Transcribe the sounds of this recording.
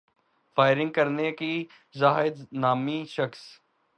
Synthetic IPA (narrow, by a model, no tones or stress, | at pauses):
faːɪɾɪ̃ŋɡ̚kəɾneki | zaːɦɪd̪naːmiʃəxs